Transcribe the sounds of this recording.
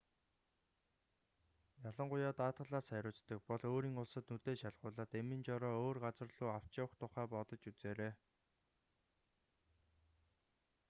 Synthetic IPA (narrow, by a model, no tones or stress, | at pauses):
jaɮə̆ɴɢʊjaːt̪aːt̪ɢə̆ɮaːsæɾʲʊːt͡st̪ə̆k̚pɔɮoːɾiːŋʊɮsə̆t̪nut̪eːʃaɮʁʊːɮaːt̪emɘ̆nt͡ɕɔɾɔːoːrɢat͡sə̆rɮuːaw̥t͡ɕăwə̆χt̪ʰʊχæːpɔt̪ɞ̆t͡ɕut͡seːɾeː